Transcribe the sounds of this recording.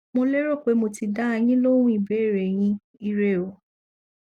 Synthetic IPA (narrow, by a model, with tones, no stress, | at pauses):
mo˧le˦ɾo˦˨k͡pe˨˦mo˧ti˧da˦a˧j̃ĩ˦lo˦ɾ̃ũ˦i˦˨bɛ˨˦˨ɾe˨j̃ĩ˧˦ | i˧ɾe˦˨o˨